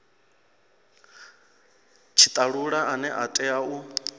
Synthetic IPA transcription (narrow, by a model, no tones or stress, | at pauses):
t͡ʃʰit̪ʼaɺuɺaʔanɛʔatʼɛau